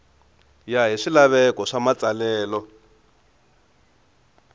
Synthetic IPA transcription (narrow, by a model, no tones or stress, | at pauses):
jaɦiʂilaβɛkɔʂamat͡salɛːlɔ